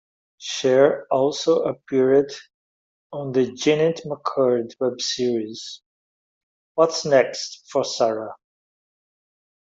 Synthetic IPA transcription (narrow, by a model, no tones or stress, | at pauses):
ʃɛɹɔlˠsoʊəpʰiɹɪd | ə̃n̩ðɨd͡ʒɛnɨtməkʰəɹdwɛbsiɹiz̥ | wʌtsnɛkstfə˞sæɹə